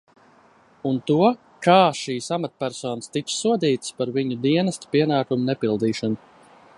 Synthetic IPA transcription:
unt̪uɔ | kaːʃiːsamat̪̚pʲæɾsɔːnst̪it̪ssuɔd̪iːt̪ɨ̥spaɾviɲud̪iɛnɛst̪pʲiɛnaːkumunɛpilˠd̪iːʃanu

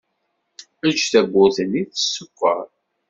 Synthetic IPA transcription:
æd͡ʒθæɡʷːʊθənːiθə̥sːəkːə̰ɾˤ

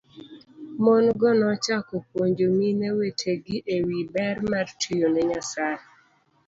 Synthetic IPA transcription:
mɔnɡɔnɔt͡ʃakɔpwoɲd͡ʒominɛwetʰeɡɪʔewibɛrmartʰijonɛɲasaɛ

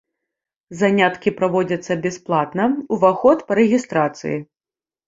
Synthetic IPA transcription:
zanʲat̪kʲipɾavɔd͡zʲɐt̪sːɐbʲɛsplˠat̪nɐuvaxɔt̪pɐɾɛɣʲist̪ɾat̪sɨ̰ji

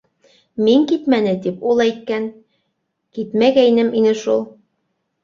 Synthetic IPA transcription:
miŋkit̪mænɘt̪ipulˠɑjt̪̚kæn | kit̪mæɡæinɘminɘʃulˠ

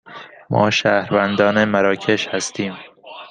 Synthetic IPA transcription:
mʔɒ̰ːʃæːhɾvænd̪ɒːnemæɾɒːcʰe̞ʃhæst̪ʰiːm

